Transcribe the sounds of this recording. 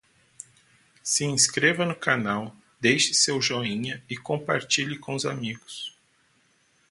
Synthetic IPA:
sɪĩskɾevɐnʊkanaw | d̪ejʃɪ̥sewʒoĩɲɐɪkõmpaɾt͡ʃiʎɪkõʊzamiɡʊs

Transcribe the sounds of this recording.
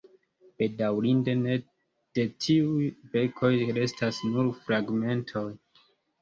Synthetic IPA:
b̥e̞dawɾinde̞ne̞ | d̥e̞tʰiujbe̞kʰo̞jɾe̞stasnuɾfɾaɡme̞ntʰo̞j

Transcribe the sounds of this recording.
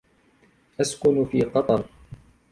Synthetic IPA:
ʔaskʊnfiːqɑt̪ˤɑɾˤ

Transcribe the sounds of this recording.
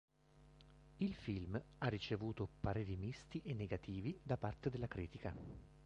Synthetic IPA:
ilfilmarːit͡ʃevuːt̪opaɾed̪imist̪iʔenːeɡat̪iːvid̪apart̪ed̪elːakɾiːt̪ika

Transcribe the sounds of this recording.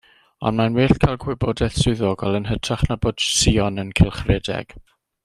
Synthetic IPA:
ɔ̰nmanweːɬkʰajlˠɡʰwɪbodɛθsʊðoːɡɔlˠənɦətʰraχnaboːd̥siɔnənkʰɪlˠχrɛdɛ̰ɡ̥

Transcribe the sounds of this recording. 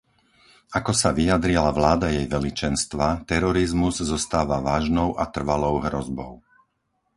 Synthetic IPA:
akɔsaʋijad̪ɾilaʋlaːd̪ajɛjʋɛlit͡ʃɛnst̪ʋat̪ɛɾɔɾizmuzzɔst̪aːʋaʋaːʒnɔʊʔat̪r̩ʋalɔʊɦɾɔzbɔ̰ʊ

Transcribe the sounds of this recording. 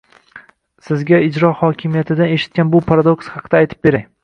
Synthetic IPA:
sɪzɡʲaɪd͡ʒɾɒhɒkʲʰɪmijat̪ʰɪd̪ane̞ʃɪ̥t̪̚kʲanbʊpʰaɾad̪o̞kshɑqʰɨd̪̥aːjt̪ʰɪ̥p̚be̞ɾaŋ

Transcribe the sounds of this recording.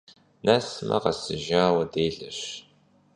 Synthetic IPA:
nɐsmʔɐ̰qɐsɨʒaːwɐdeːɮɐɕ

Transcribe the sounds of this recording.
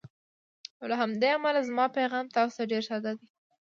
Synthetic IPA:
olaɦamd̪eamalazmɑpajɣɑmt̪ɑsʊ̥t̪aɖeɾsɑd̪ad̪i

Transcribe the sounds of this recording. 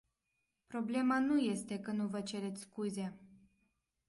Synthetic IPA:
pɾo̞ble̞manuje̞st̪e̞kənuvət͡ʃe̞ɾe̞t̪sʲskuze̞

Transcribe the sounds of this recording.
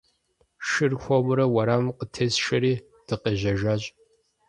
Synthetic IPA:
ʃɨrxʷɔmɾɐwɐɾaːmqətʰesʃɐɾiː | d̥ɨqeʒɐʒaːɕʼ

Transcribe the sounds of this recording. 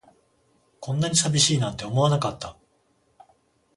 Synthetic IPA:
kõ̞nːaɲ̟isabʲiɕiːnãnt̪e̞omo̞anakat̪ːa

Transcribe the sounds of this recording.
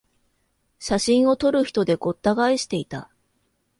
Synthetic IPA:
ɕaɕĩɰ̃o̞t̪o̞ɾɯ̟çi̥t̪o̞d̪e̞ɡo̞t̪ːaɡaiɕi̥t̪e̞it̪a

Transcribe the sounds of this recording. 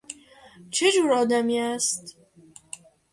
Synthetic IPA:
t͡ʃʰe̞d͡ʒuːɾɒːd̪æmiːæst̪

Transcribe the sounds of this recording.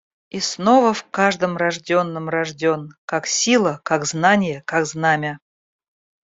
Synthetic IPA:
isnovəfkaʐd̪əmrɐʐdʲo̞nːəmrɐʐdʲonkaksʲilˠəkaɡznanʲɪjəkaɡznamʲɪ

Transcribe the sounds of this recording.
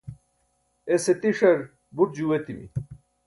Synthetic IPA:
eset̪iʂɐɾ | buʈ̚d͡ʑuwet̪imḭ

